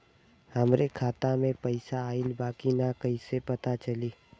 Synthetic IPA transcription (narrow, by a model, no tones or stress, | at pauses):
həmɾekʰaːt̪amẽpəɪsaːɪlbaːkinakɐɦisepɐt̪at͡ʃəliː